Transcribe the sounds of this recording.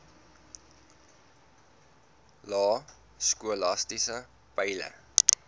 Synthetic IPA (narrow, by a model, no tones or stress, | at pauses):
lɑː | skuəlɐstisə | pəjlə̰